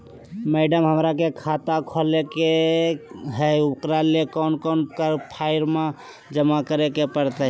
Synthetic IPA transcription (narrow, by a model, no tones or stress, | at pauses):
meɖəmɦəmɾakekʰat̪akʰɔleke | ɦɛʊkɾalekɔnkɔnkəɾpʰaɪɾma | d͡ʒəmakəɾekepəɾt̪aɦ